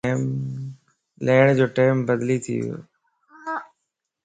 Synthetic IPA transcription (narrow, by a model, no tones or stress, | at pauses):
m | leːɽ̃d͡ʑoːʈeːmbəd̪lit̪ʰḭo̰